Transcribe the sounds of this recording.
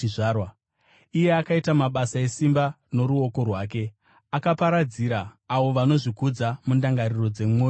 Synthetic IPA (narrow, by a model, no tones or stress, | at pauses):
ʐaːrwa | ije̞akaitamaɓasae̞simba | no̞ɾuo̞ko̞rwaːke̞ | akapaɾad͡ziɾaːʋo̞ʋano̞ʐikud͡zamundaŋɡariro̞d͡ze̞muwoːo